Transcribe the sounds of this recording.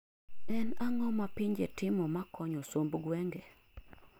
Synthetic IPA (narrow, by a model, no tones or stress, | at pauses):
ɛnaŋɔmapɪɲd͡ʒetɪmɔmakʰɔɲɔsombɡwɛŋɡɛ